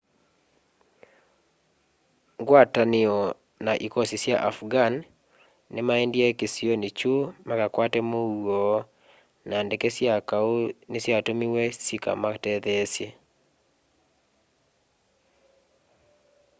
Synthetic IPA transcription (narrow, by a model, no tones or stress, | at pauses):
ɡwatanɪɔ | naʔikɔsisjaʔafɡanː | ɪmaendjekesionit͡ʃumakakwatɛmowo | nandekesjakanɪsjatomiwesika̰matɛðesje